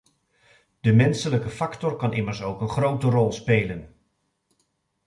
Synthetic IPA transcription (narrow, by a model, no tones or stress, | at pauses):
d̥əmɛnsələkəfɑktɔrkɑnʔɪməɹsowkənχrowtərɔlˠspejlən